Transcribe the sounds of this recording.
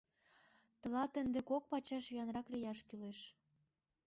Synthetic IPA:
t̪ə̆lɑt̪ə̆nd̪ekok̚pɑt͡ɕɑʃvijɑnrɑklijɑʃkyleʃ

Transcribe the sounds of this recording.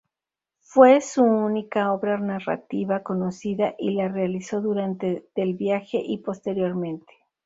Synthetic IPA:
fwe̞suunikao̞βɾanara̰t̪iβako̞no̞siðaʔilarealiso̞ðuɾant̪e̞t̪elβjaxe̞ʔipo̞st̪e̞ɾjo̞ɾmẽ̞nt̪e̥

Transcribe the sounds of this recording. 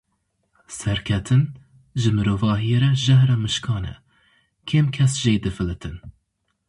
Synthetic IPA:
sɛɾkʰɛt̪ʰɨn | ʒɨmɨɾoːvɑːɦijeɾɛʒɛhɾɑmɨʃkʰɑːnɛ̰ | kʰeːmkʰɛsʒeːd̪ɨfɨlɨt̪ʰɨn

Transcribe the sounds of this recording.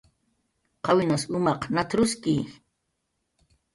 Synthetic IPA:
qɑwɪnasʊmɑqnat̪ɾʊski

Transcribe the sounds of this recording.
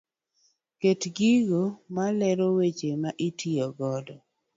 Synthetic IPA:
ketɡiɡomalɛɾowet͡ʃemaʔitʰiɔɡɔdɔ

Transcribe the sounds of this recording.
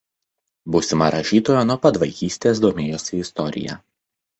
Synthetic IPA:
busʲɪmɐɾɐʃʲiːt̪oːjonuɔpɐt̪ʋɐɪkʲiːsʲt̪ʲeːsd̪oːmʲeːjoːsʲɪɪst̪ɔɾʲɪ̰jɛ̰

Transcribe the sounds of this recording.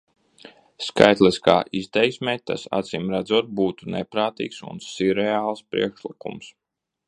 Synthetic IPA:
ska̰jt̪lˠiska̰ːʔiz̥t̪ɛjsʲmʲɛːt̪a̰sa̰t̪simɾad̪zuɔt̪̚buːt̪unɛpɾaːt̪ḭːksṵnsiɾɛaːlˠspɾḭɛkʃlˠikṵms

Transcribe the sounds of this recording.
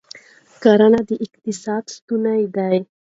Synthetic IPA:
kaɾanad̪əʔɪqt̪ɪsɑd̪st̪unajd̪aj

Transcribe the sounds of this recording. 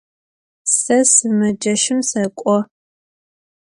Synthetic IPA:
sɐsɨmɐd͡ʒɐʃɪmsɐkʷʼɔ

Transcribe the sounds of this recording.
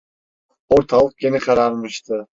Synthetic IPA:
oɾt̪ʰɑlˠɯq̚kʲeniqʰɑɾɑɾmɯʃt̪ɯ

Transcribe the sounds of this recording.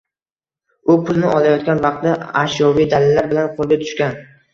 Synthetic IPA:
ʊpʰʊlˠnɪʔɒlajɒt̪̚kʲanvɑq̚t̪ːaaʃjɒvijd̪alɪlːaɾbɪlanqʰolˠɡʲat̪ʰʊ̥ʃkʲan

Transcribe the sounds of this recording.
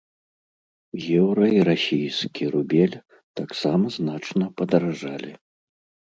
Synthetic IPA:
jʲɛwɾɐiɾasʲijskʲʰiɾubʲɛlʲ | t̪aksamɐznat͡ʂnɐpɐd̪ɐɾaʐalʲi

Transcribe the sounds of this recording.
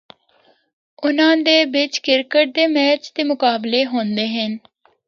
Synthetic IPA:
ʊnãːd̪eːbɪt͡ʃkɪɾkəʈ̚d̪eːmɛːt͡ʃd̪eːmʊkaːbleːɦoːnd̪eːɦən

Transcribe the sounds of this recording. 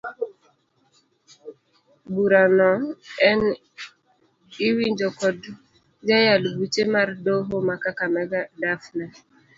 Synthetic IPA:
buɾanɔɛn | iwind͡ʒɔkɔd | d͡ʒajalbut͡ʃemaɾdoɦomakakamɛɡadafna

